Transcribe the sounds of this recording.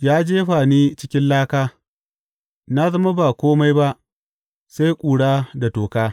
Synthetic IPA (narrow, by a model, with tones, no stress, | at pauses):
jaː˦d͡ʒeː˦ɸaː˨niː˦t͡ʃɪ˦kʲɪ˦nlaː˦kaː˦ | na˦zɐ˦ma˦ba˨kʷoː˦ma˦jba˦ʔ | sa˦jkʷʼuː˨ɽaː˦da˨toː˨kaː˦